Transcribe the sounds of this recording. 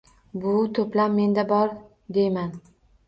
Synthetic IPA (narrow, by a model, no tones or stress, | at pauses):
bʊt̪ʰɵplamːe̞nd̪abɒɾ | d̪e̞jman